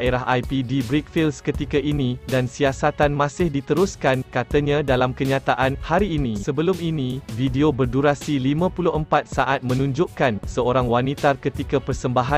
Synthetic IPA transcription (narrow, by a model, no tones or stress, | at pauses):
aʔeɾaɦʔajpidibɾik̚filskət̪ikaʔinĩdansiasat̪anmãsɪhdit̪əɾʊskankat̪aɲãdalamkəɲãt̪aʔanhaɾiːnĩsəbəlʊminĩvideobərduɾasilimãpulʊɦəmpat̪̚saʔat̪̚mə̃nũɲd͡ʒʊʔkansəoɾaŋwanit̪arkət̪ikapərsəmbaɦa